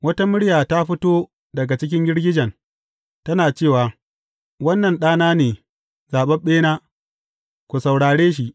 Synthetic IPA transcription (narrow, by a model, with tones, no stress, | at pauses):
wɐ˦ta˦mʊ˦ɽjaː˨ta˦ɸɪ˦toː˦ | dɐ˨ɡa˨t͡ʃɪ˦k̬ʲɪ˦ŋɡʲɪ˦ɽɡʲɪ˦d͡ʒɐ˨n | tɐ˦naː˨t͡ʃeː˦˨waː˨ | wɐ˦nːɐ˨nɗaː˦naː˦neː˨ | zaː˨ɓɐ˦mɓeː˦naː˦ | kʷu˨sa˨wɽaː˨ɽeː˦ʃ̬i˦˨ʔ